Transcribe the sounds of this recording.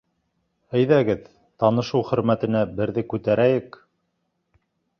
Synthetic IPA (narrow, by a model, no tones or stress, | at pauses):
ɘ̆jðæɡɘð | t̪ɑnɤ̆ʃɤwχɵ̆ɾmæt̪ɘ̆næbɘ̆ɾðɘkʉt̪æɾæjɘk